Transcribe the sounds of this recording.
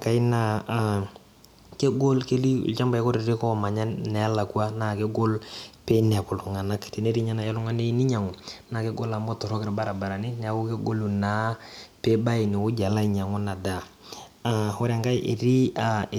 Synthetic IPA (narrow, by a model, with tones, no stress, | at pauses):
ka˨ɪ˦na˦˨ | ke˦ɡo˦lke˦li˦ṵ˨lt͡ʃa˦mba˨ɪ˦ko˦ɾɪ˨ɾi˦kɔ˦˨ma˨ɲa˦nɛ˨a˦la˨ku˦a˦na˨ke˦ɡo˦lpe˦nɛ˨a˨kʊ˨ltu˨ŋa˨na˦kte˨ne˦ɾi˦ɲa˦na˨ja˦lʊ˦ŋa˦ne˦ni˦ɲa˨ŋʊ˨na˨ke˦ɡo˦la˨mbɔ˦tɔ˨ɾɔ˦kɪ˦ɾa˨ba˦ɾa˨ba˨ɾa˨nɪ˦nɛ˨a˨kʊ˦ke˦ɡo˦lu˨na˦pe˦ba˦i˨nɪ˨kʊ˦d͡ʒa˨la˦i˨ɲa˨ŋʊ˦na˨da˨a˨o˦ɾa˨ŋka˦jʔḛ˨ɾi˦a˨